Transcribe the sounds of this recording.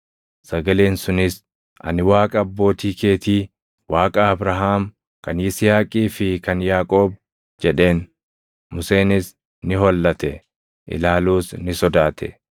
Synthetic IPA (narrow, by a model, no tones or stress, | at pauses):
sɐɡɐleːnsʊnɪs | ʔɐ̰nɪwaːkʼɐːbːo̞ːt̪iːke̞ːt̪iː | waːkʼaɐbɾɐɦaːm | kɐnjɪsɪjaːkʼiːfɪkɐnjaːkʼo̞ːb̚ | d͡ʒɛᶑe̞ːn | mʊse̞ːnɪs | nɪɦɔlːɐt̪ɛ | ʔɪ̰laːluːsnɪsɔd̪aːt̪ʰɛ̰